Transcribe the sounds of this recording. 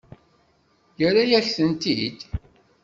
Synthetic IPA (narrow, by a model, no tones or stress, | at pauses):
jəɾajæçθənt̪id̪